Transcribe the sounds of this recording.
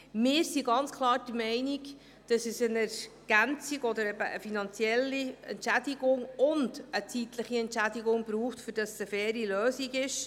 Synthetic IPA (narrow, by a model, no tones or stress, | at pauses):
mɪːɾsiɡɑnt͡skʰlˠɑːɾd̥əmɛɪniɡ | d̥ɑsɛsənɛɾɡ̥ænt͡siɡɔd̪əɾɛbəʔə̰finɑnt͡sjɛlːiɛ̰ntʃædiɡʊŋʊndət͡sit̪ləχiɛntʃæd̪iɡʊŋb̥ɾuːχtfɵɾd̥ɑsəfɛːɾiløːsiɡɪʃ